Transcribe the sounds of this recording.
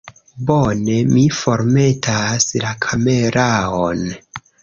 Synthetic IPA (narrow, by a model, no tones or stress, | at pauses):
bone̞mifo̞ɾme̞tʰaslakʰame̞ɾʔaon